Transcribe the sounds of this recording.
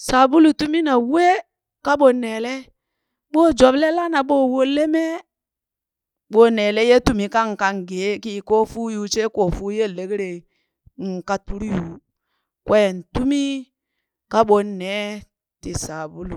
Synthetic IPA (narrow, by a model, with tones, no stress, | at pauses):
sa˨bu˦lu˨tu˦mi˦na˨we˦ | ka˦ɓo˨nɛ˨lɛ˦ | ɓo˦˨d͡ʒɔ˨˦blɛ˦la˦na˨ɓo˦˨wo˦le˦mɛ˦ | ɓo˦nɛ˨le˦je˦tu˦mi˨ka˦ŋ̩˨ka˨ŋ˨ɡe˨˦ki˨ko˦fu˦ju˨˦t͡ʃe˦ko˨fuː˦je˦˨le˨ke˦ɾe˨ | ŋ̩˨ka˦tu˦ɾu˦ju˨ | kwʔɛ˦˨n̩˨tu˦mi˦ | ka˦ɓo˨nɛ˨˦ | ti˨sa˨bu˦lu˨